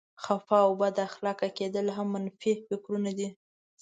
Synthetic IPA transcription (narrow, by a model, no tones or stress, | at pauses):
xafɑwbad̪axlɑkaked̪əlɦamːanfifɪkɾunad̪i